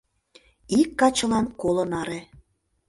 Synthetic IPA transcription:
ikːɑt͡ɕə̆lɑnkolə̆nɑɾe

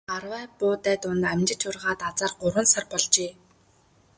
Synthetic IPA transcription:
arwæːpʊːt̪æːt̪ʊnt̪æmʲt͡ɕɪ̆t͡ɕʊrʁaːt̪at͡saːrɢʊɾwə̆nsarpɔɮt͡ɕeː

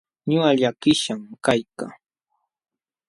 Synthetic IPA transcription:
ɲʊaʎakɪʃamkajka

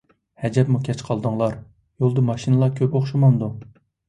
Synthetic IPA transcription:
hɛd͡ʒɛpmukʲʰɛt͡ʃqʰɑlˠd̪uŋlˠɑɾ | jolˠd̪ɨmɑʃinɨlˠɑkʲʰøpoχʃumɑnd̪u

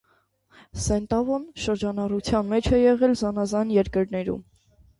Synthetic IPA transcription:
sɛnt̪ɑvɔnʃəɾd͡ʒɑnɑrut͡sʰjɑnmɛt͡ʃʰɛjɛʁɛlzɑnɑzɑnjɛɾkəɾnɛɾṵm

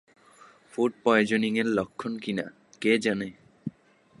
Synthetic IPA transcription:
fuɖ̚pɔjod͡ʑoniŋeɾlokʰːonkina̰ | ked͡ʑane

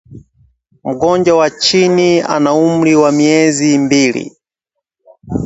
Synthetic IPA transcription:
m̩ɡɔnd͡ʒawat͡ʃinia̰naum̩ɾiwamiɛzimbiːlḭ

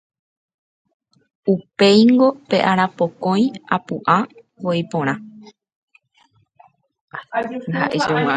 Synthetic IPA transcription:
upejŋɡo̞pe̞ʔaɾapokõ̞j̃apuʔã | ʋojpõɾ̃ã | ha̰ʔed͡ʒo

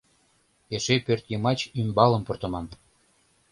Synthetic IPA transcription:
eʃepørt̪jɤmɑt͡ɕymbɑlə̆mport̪ə̆mɑn

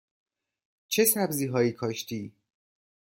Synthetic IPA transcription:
t͡ʃʰe̞sæbziːɦɒːiːkʰɒːʃt̪ʰiː

